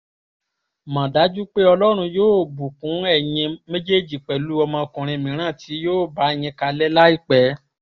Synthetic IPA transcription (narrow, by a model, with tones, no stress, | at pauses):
mã˨da˨˦d͡ʒu˦k͡pe˦ɔ˧lɔ˦ɾ̃ũ˧joː˦˨bu˨kũ˨˦ɛ˦˨j̃ɛ̃˧mẽ˦d͡ʒe˦˨d͡ʒi˨k͡pɛ˨lu˦ɔ˧mã˧kũ˨ɾ̃ĩ˧mĩ˨ɾ̃ã˦˨ti˨˦joː˦˨ba˨˦ɛ˨j̃ɛ̃˧ka˧lɛ˦la˦i˦˨k͡pɛ˨˦